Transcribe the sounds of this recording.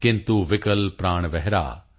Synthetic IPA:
kɪ̃nt̪uʋɪkəlpɾaːɳ̃ʋɛɦɾa̰ː

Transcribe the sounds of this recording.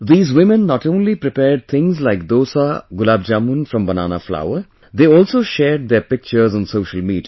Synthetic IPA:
d̪iːzʋɪmə̃nːɔːʈõːnlipɾɪpɛːɾɖ̚t̪ʰɪ̃ŋzlaɪk̚d̪oːsaɡʊlaːb̚d͡ʒaːmũnfɾʌ̃mbɐna̰ːna̰fla̰ʊəɾ | d̪eːɔːlsoːʃɛːɾɖ̚d̪eːɾpɪk̚t͡ʃəɾzɔ̃ːnsoːʃəlmiːʈ

